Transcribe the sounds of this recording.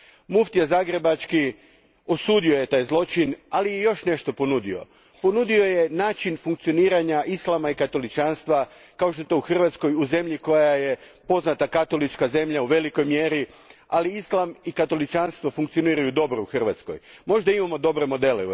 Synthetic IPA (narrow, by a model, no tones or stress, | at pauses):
muft̪ijazaːɡɾe̞bat͡ʃki | o̞suːd̪io̞je̞t̪aːjzlˠo̞t͡ʃinalijejo̞ʃne̞ʃt̪o̞ponud̪io̞̰ | po̞nud̪io̞je̞naːt͡ʃinfuŋkt̪sio̞niːɾaɲaʔislˠamaikat̪o̞lit͡ʃaːnst̪ʋa | kaoʃ̬t̪ot̪ouxr̩ʋat̪sko̞juze̞mʎiko̞jaje̞po̞znat̪akat̪o̞lit͡ʃkaze̞mʎauʋe̞liko̞jmje̞ɾi | aliislˠamikat̪o̞lit͡ʃanst̪ʋofuŋk̚t̪sio̞niːɾajud̪o̞bɾouxr̩ʋa̰t̪sko̰jmo̞ʒd̪aimamo̞d̪o̞bɾe̞mo̞d̪e̞le